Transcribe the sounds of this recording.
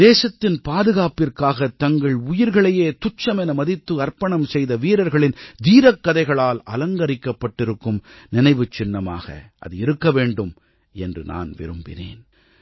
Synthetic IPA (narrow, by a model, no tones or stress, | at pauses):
d̪eːsɐt̪ːɪnpaːðɯɣaːpɪrkaːɣɐt̪ɐŋɡɐɭʊjɪɾɣɐɭɐjeːt̪ʊt͡ʃːɐmɛnɐmɐðɪt̪ːɯɐɾpɐɳɐmsɛjðɐʋiːɾɐɾɣɐɭɪnd̪iːɾɐkːɐðɐɪɣɐɭaːlɐlɐŋɡɐɾɪkːɐpːɐʈːɪɾɯkːɯmnɪnɐɪʋɯt͡ʃːɪnːɐma̰ːɣɐ̰ʔɐ̰ðɯɪɾɯkːɐʋeːɳɖɯm | ɛndrɯ̰na̰ːnʋɪ̰ɾɯmbɪ̰nḛːn